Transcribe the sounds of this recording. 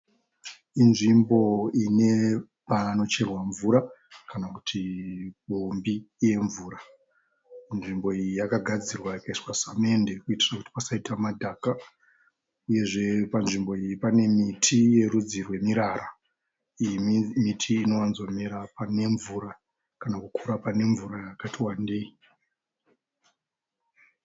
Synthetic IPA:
inʐimbo̞ine̞ | pano̞t͡ʃe̞rwaɱvuɾakanaku̥tʰiɓombiːje̞ɱvuːɾa | nʐimbo̞ijijakaɡʱad͡zirwajakaiswasame̞nde̞kuiti̥sakuti̥pasaitʰamadʱaːka | uje̞ʐe̞panʐimbo̞ijipane̞mitʰije̞ɾud͡zirwe̞miɾara | imimitʰiːno̞wanzomiɾapane̞ɱvuɾa | kanakukʰuɾapane̞ɱvurajakatiwandei

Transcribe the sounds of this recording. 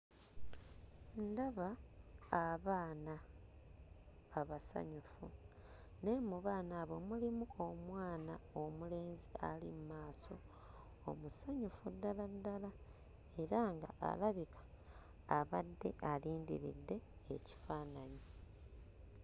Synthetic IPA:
ndaβaː | βaːna | βasa̰ɲufṵ | ne̞muβaːnaːβo̞mulimuomwaːnaomule̞ːnzia̰lḭmmaːso̞ | o̰musaɲufudːaladːala | e̞ɾaŋɡa̰ʔa̰laβikʰḁ | aβadːe̞̰ʔaliːndḭɾḭdːe̞ːci̥faːnaɲi

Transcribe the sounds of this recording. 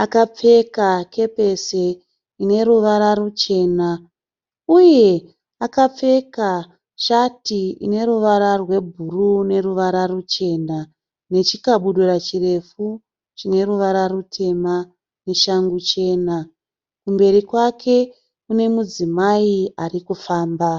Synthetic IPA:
akap͡fe̞kakʰe̞pe̞se | ine̞ɾuʋaɾarut͡ʃe̞ːna | uje̞ | akap͡fe̞ka | ʃatiḭne̞ɾuʋaɾarwe̞bʱurune̞ɾuʋaɾarut͡ʃe̞ːna | ne̞t͡ʃikaɓuɗurat͡ʃire̞fu | t͡ʃine̞ɾuʋaɾarutʰe̞ma | ne̞ʃaŋɡut͡ʃe̞ːna | kumbe̞ɾikwakʰe̞ | kune̞mud͡zimaiarikufaːmba

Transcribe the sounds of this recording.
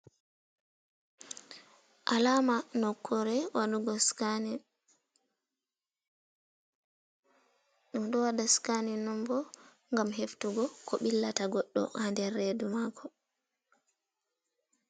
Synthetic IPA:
ʔalamanɔkʰːɔɾɛwaɗuɡɔsn | ɗumɗɔwadaskaninɔmbɔ | ŋɡamɦeftuɡɔkʰɔɓilːataɡɔɗːɔ̰handɛrːedumaːkʰɔ

